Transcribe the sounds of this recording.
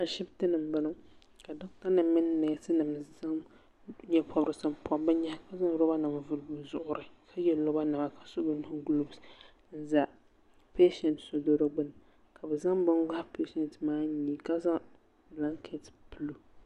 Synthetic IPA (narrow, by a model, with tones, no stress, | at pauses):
a˨ʃɪ˦btɨ˦nɨ˨mbɨ˦nɨ˦ŋ | ka˨dʊ˦ŋ˦ta˦nɨ˨mːɨ˦nː˦ɛ˨tɨ˦nɨ˨mza˦ŋ | ɲɛ˦pʰɔ˦bɾɨ˨sɨ˦m˨pʰɔ˦bɨ˦ɲɛ˦hka˦za˦ŋ˨ɾo˦ba˦nɨ˨mvʊ˦˨lbɨ˨zʊ˨ʔʊ˨ɾɨ˨kʰa˦jɛ˨lo˦ba˦na˨ma˨ka˨so˦bɨ˦n˦hʊ˦ɡlu˦bs | n̩˦za˨ | pe˦ʃɛ˨ntso˨do˦ɾo˦ɡ͡bɨ˦n˨ | kʰa˨bɨ˨za˦ŋbɨ˦nɡa˦hpe˦ʃɛ˨ntmaː˦ɲi˦ka˦za˦ | bla˦ŋkʰe˦tpɨ˦lu˦